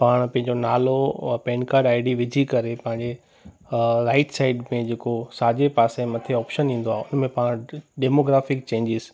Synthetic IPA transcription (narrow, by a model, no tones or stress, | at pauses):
paːɽ̃pɐ̃ɦɪ̃ɲd͡ʑonaːlopẽːnkaːɾɖaːɪɖiʋɪd͡ʑʱikɐɾepɐ̃ɦɪ̃ɲd͡ʑe | ɾaːɪʈsaːɪɖmẽd͡ʑeːkosaːd͡ʑepaːsemɐt̪ʰeɔːpʃənĩːn̆d̪oaːɦeʊnmẽpaːɽ̃ɖeːmoːɡɾaːfɪkt͡ɕẽːɲd͡ʑɪz